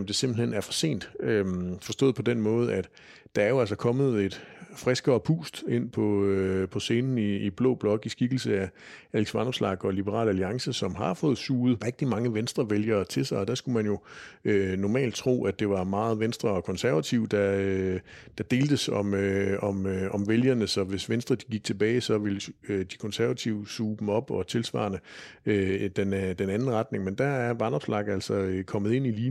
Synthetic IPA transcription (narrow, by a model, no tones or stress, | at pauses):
md̥e̝se̝mb̥l̩henæɐfɒ̽se̝̰ːnd̥ømfɒ̽sd̥ɔ̰ːð̩ˠpʰɒ̽d̥enmɔ̽ːð̞ˠæd̥ | d̥ɑ̈æɐjo̝æls̬ɐkʰɒ̽mð̞̩ˠe̝d̥fʁɛsɡ̥ɐːpʰṵːsd̥e̝n̰pʰɒ̽pʰɒ̽se̝ːnn̩iːb̥lɔ̰ːb̥lɒ̽ɡ̥isɡ̥iɡ̥l̩səæ | æleɡ̥sʋɑnɒ̽b̥slɑ̈ɡ̥ɒ̽lib̥əʁɑ̰̈ːlæliɑ̈ŋsəsɒ̽mɦɑ̈fɔ̽ːð̞̩ˠsuːð̩ˠʁɛɡ̥̚d̥imɑ̈ŋəʋensd̥ʁɐʋeljɐːt͡sʰe̝lsɑ̈ɪɒ̽d̥æsɡ̥umænjo̝ønɒmɛ̰ːld̥̚t͡sʰʁo̝̰ːæd̥e̝ʋɑ̈mɑ̈ːð̞̩ˠʋensd̥ʁɐɒ̽kʰɒ̽nsæɐʋæt͡sʰiʊd̥ɑød̥ɑ̈d̥e̝ːld̥əsɒ̽møɒ̽mɒmʋeljɐnəsɒ̽ʋe̝sʋensd̥ʁɐd̥iɡ̥iɡ̥̚t͡sʰe̝b̥ɛːɪsɒ̽ʋe̝lød̥i̥kʰɒ̽nsæɐʋæt͡sʰiʊ̰suːb̥m̩ɒ̽b̥ɒ̽t͡sʰe̝lsʋɑ̰̈ːnəød̥end̥enænn̩ʁɑ̈d̥̚ne̝ŋmend̥ææɐʋɑ̈nɒ̽b̥slɑ̈ɡ̥æl̰sɒøkʰɒ̽mð̩ˠe̝n̰iliː